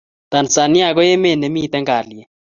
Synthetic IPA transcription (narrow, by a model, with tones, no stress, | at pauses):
t̪a˨nsa˨ni˦a˨kɔ˦jɛ˦me˨nɛ˨mi˦t̪ɛ˦ŋɡa˨li˨ɛ˨